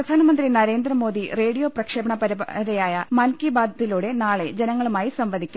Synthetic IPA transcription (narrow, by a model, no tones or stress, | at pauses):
rɐd̪ʱaːnɐmɐnd̪rinɐɾe̞ːnd̪rɐmo̞ːd̪ire̞ːɽijo̞ːprɐkʂeːbɐɳɐpɐɾiɾɐjaːjɐmɐnkibaːd̪ʱɐðiluːɽe̞naːɭe̞d͡ʑenɐŋːɐɭumaːjisɐmʋɐd̪ʱikʲːu